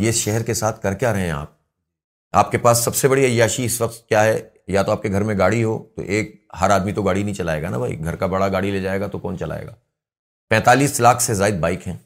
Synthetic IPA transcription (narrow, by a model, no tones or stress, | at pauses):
jeɪsʃɛɦɛɾkesaːt̪ʰkɐɾkejaɾɐɦẽa̰ːp̚ | a̰ːp̚kepaːsːɐbsebɐɽiɐjːaːʃiɪsʋɐq̚t̪̚kjaːɦɛ | jat̪oaːp̚keɡʱɐɾmẽɡaːɽiɦo̰ːt̪o̰ʔeːk̚ɦɐɾaːd̪mit̪oɡaːɽinɐɦĩt͡ʃɐlaːeːɡana̰bʱaːḭɡʱɐɾkabɐɽaɡaːɽileːd͡ʒaːeːɡat̪okɔːnt͡ʃɐla̰ːḛːɡa̰ː | pɛ̃ːt̪aːliːslaːkʰsezaːɪd̪̚baːɪkɦɛ̃ː